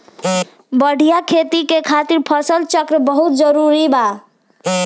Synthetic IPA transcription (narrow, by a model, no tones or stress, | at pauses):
bəɽ̤ʱijakʰet̪ikekʰat̪iɾpʰəsəlt͡ʃəkɾəbəɦut̪̚d͡ʒəɾuɾiba